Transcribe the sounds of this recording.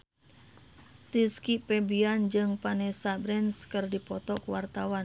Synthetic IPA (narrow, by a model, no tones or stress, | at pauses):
t̪iskipɛbiand͡ʒɨŋpanɛsabɾɛnskɨrdipɔt̪ɔkuwart̪awan